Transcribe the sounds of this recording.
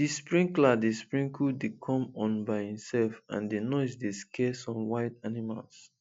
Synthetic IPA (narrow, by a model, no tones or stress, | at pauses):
dispɹĩŋkladespɹĩŋkʰudekʰɔ̃mɔ̃nbaɪhĩmsɛlfã̰ndenɔsdeskʰɛsɔ̃mwaɪtanima̰ls